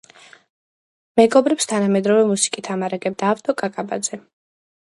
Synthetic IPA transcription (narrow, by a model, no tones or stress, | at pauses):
mɛɡɔbɾɛpst̪ʰanamɛd̪ɾɔvɛmusi̥kʼit̪ʰamaɾaɡɛb̚d̪aːft̪ʼɔkʼakʼaba̰d̪zɛ